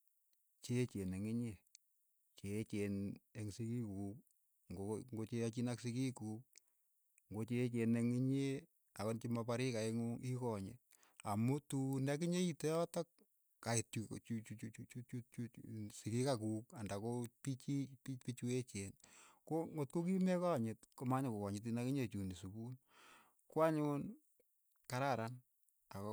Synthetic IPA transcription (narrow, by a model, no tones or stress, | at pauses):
t͡ʃet͡ʃeneŋiɲe | t͡ʃet͡ʃeneŋsikikuk̚ | ŋɡoŋɡot͡ʃeat͡ʃinaksikikuːk̚ | ŋɡot͡ʃet͡ʃeneŋiɲe | akɔnt͡ʃimapaɾikaeŋikɔɲe | amutunɛk̬ɪɲeitejɔtɔk̚ | kaetut͡ʃut͡ʃut͡ʃut͡ʃut͡ʃut͡ʃut͡ʃusikikakukandakopit͡ʃipipit͡ʃuet͡ʃenkoŋot̚kokimekɔɲɪtkomaɲokokɔɲɪt̬inakiɲet͡ʃunisubun | kwaɲon | kaɾaɾan | ak